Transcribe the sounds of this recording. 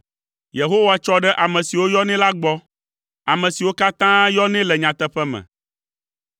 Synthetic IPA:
je˨ɦo˦wa˨t͡ʃɔ˦ɖɛ˦ʔa˨mɛ̃˨si˨wo˦jɔ˦nɛ̃˦la˦ɡ͡bɔ˦ | a˨mɛ̃˨si˨wo˦ka˦t̪ã˦jɔ˦nɛ̃˦lɛ˨ɲã˨t̪ɛ˦ɸɛ˦mɛ̰̃˨

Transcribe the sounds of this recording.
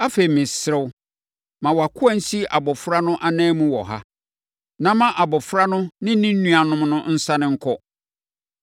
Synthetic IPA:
a˦fe˨ɾi˨mɪ̃˨sɾɛ˦w | mã˨wɔ˨a˨kʰʊ˦a˦n̩˦si˦ʔa˨bɔ˨fɾa˦nʊ̃˦ʔa˦nɛ̃ː˦mũ˦wɔ̰˨ɦa̰˦ | nã˨mã˦ʔa˨bɔ˨fɾa˦nʊ̃˦nɪ̃˦nĩ˦n̩˦nũ˦a˨nʊ̃˦mnʊ̃˦n̩˦sa˦nɪ̃˦˨ŋ̩˦kʰɔ˦

